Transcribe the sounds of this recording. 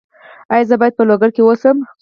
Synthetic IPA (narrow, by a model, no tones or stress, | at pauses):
ajɑzəbɑjad̪̚pəloɡaɽkewosəm